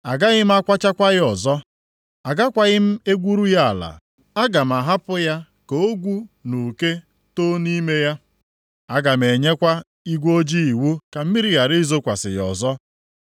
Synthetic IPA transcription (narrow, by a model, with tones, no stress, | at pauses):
a˨ɡa˦ɣɪ˦m̩˦a˦kʷa˦t͡ʃa˦kʷa˦ɣɪ˦ɔ˨zɔ˦ | a˨ɡa˦kʷa˨ɣɪ˦m̩˦e˦ɡʷu˦ɾu˦ja˦a˨la̰˨ | a˦ɡa˨m̩˨a˨ɦa˦pʊ˦ja˦ | ko˨o˦ɡʷu˦nu˨ke˦ | to˦ni˦me˦ja˦ | a˦ɡa˨m̩˨e˨ɲe˦kʷa˦ | i˦ɡʷo˦d͡ʒi˦i˨wu˦ka˨m̩˦mi˦ɾi˦ɣa˨ɾɪ˦zo˦kʷa˨sɪ̰˨ɣɔ̰˨zɔ˦